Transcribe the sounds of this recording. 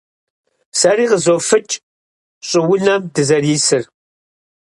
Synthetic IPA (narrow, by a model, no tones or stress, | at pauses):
sɐɾiːʁəzoːfɨt͡ʃʼ | ɕʼɪwʊɮɐmdɨzɐriːsɨr